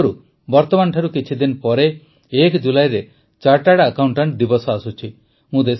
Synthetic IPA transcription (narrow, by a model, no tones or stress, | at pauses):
ɾu | bɔɾt̪ɔmanʈʰaɾukit͡ʃʰid̪inpɔɾeː | kd͡ʒulajɾe | t͡ʃaɾʈaɽakawɳʈaɳʈd̪ibɔsɔasut͡ʃʰi | mũd̪es